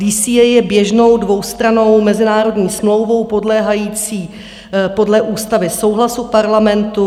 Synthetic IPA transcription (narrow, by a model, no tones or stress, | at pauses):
iːsiɛjɛbjɛʒno̞wdvo̞wst̪ɾano̞wmɛzɪnaːɾo̞dɲiːsmlo̞wvo̞wpo̞dlɛːɦajiːt͡siː | po̞dlɛʔuːst̪avɪso̞wɦlasupaɾlamɛnt̪u